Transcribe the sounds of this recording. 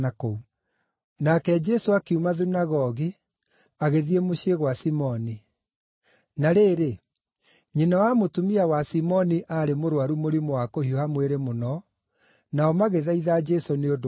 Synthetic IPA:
akou | nakɛd͡ʒɛsoakeumaðunaɣɔɣi | aɣeðiemoɕieɣwasimɔni | naɾeːɾe | ɲenawamotumiawasimɔniʔaɾemoɾwaɾumoɾimoakohiɔhamweɾemonɔ | naɔmaɣeðaiðad͡ʒɛsoneod

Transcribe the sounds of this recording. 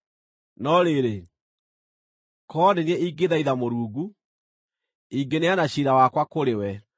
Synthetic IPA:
nɔɾeɾe | kɔdeniɛiːɡeðaiðamoɾuːɡu | iɡeneanaɕiɾawakwakoɾewɛ

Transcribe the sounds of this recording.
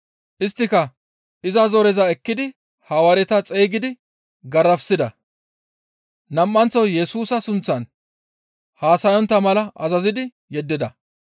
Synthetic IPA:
ʔɪst̪ːɪkɐ | ɪzɐzɔɾɛzɐɛkːɪd̪ɪ | hɐwɐɾɛt̪ɐt͡sʼejɡɪd̪ɪ | ɡɐɾːɐfsɪd̪ɐ | nɐmːɐnt͡sːɔwjɛsuːsɐsʊnt͡sːɐn | haːsɐjɔnt̪ːɐmɐlɐʔɐzɐzɪd̪ɪ | jɛd̪ːɪd̪ɐ

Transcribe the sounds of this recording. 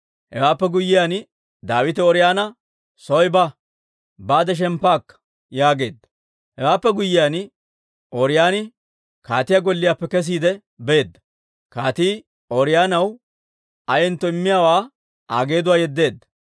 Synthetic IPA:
hɛ̰waːpːɛɡʊjːɪjaːn | d̪aːwɪt̪ɛɔɾɪjaːnɐ | sɔjbɐ | baːd̪ɛʃ̬ɛmpːaːkːɐ̥ | jaːɡe̞̰ːd̪ːɐ̥ | hɛwaːpːɛɡʊjːɪjaːn | ɔɾɪjaːnɪ | kaːt̪ɪjaɡɔlːɪjaːpːɛkɛs̬iːd̪ɛ | be̞ːd̪ːɐ̥ | kaːt̪iː | ɔɾɪjaːnɐw | ɐjɛnt̪ːɔɪmːɪjaːwaː | a̰ːɡe̞ːd̪ʊwaːjɛd̪ːe̞ːd̪ːɐ̥

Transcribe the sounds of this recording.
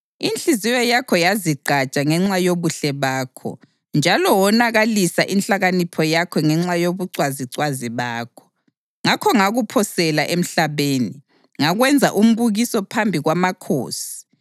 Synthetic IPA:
inɬiziwɔjakʰɔjaziɡ͡ǃʱat͡ʃʼaŋɛŋ͡ǁajoβuɬɛβaːkʰɔ̰ | nd͡ʒʱalɔwɔnaɣalisaʔinɬaɣanipʰɔjakʰɔŋɛŋ͡ǁajoβuǀwaziǀwaziβaːkʰɔ̥ | ŋakʰɔŋaɣupʰɔsɛlaʔem̩ɬaβeːni | ŋaɣwɛnd͡zʱaʔum̩βuɣisɔpʰambʱiɣwamakʰo̰ːsi̥

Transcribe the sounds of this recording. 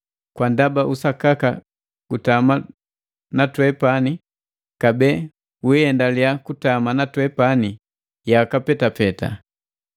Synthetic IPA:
kwandabaʔusakaka | ɡutama | natwɛpani | kabɛ | wuhɛndaliakutamanatwɛpani | jakapɛtapɛta̰

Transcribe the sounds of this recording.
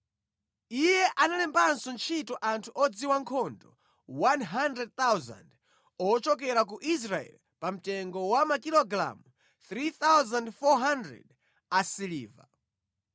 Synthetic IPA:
ijɛʔanalɛmbansɔnt͡ʃʰitɔʔantʰuʔɔd͡ziwaŋkʰɔndɔ | wanɦandɾɛd̚t̪awza̰nd | ɔt͡ʃɔkɛɾak̬uʔis̬ɾaɛ̰l | pam̩tɛŋɡɔwamakilɔɡɾa̰mu | θɾiθawzandfɔɦandɾɛ̰d | asiliːva̰

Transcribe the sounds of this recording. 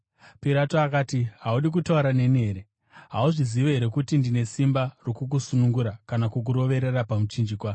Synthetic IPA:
piɾatoakaːtiɦauɗik̬utauɾane̞ne̞ːɾe̞ | ɦauʐiziʋeɦe̞ɾe̞kutindine̞simbarokuk̬usunuŋɡuɾakanakuk̬uɾo̞ʋe̞ɾe̞rapamut͡ʃind͡ʒikwa

